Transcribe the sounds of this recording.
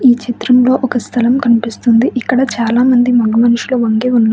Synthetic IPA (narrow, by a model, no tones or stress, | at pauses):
iːt͡ʃit̪ɾɐmlo̞ːʔɔkɐst̪ʰɐlɐmkɐnipist̪und̪iʔikːɐɽɐt͡ʃaːlaːmɐnd̪imɐɳumɐnuʂuluʋɐŋɡeunːɐ